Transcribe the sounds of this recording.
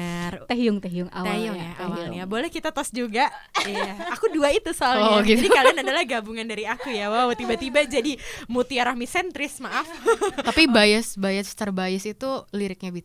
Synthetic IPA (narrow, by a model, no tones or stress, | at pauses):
rt̪ɛɦiʊŋt̪ɛɦiʊŋa̰w̪ejʊŋjaaŋjabolɛhkit̪at̪ɔsd͡ʒuɡajjaakuduait̪usolɡiadikalanadalahɡabuŋandaɾiakujawawt̪ibat̪ibad͡ʒadimut̪iaɾahmisɛnt̪ɾɪsmaʔafapibajɪsbajast̪ərbajɪsit̪uliɾɪk̚ɲabi